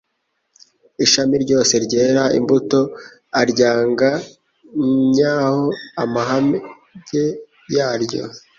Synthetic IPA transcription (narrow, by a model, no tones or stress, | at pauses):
iʃamiɾɟo̞ːse̞ɾɟe̞ːɾaḭmbuto̞ | aɾɟaːŋɡa | ɲaːhoamaɦam | ɟe̞ | jaːɾɟo̞̰